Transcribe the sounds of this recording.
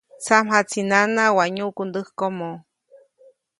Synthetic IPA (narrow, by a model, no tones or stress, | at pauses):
t͡samɦat͡sinanawaɲukund̪ɨhkomo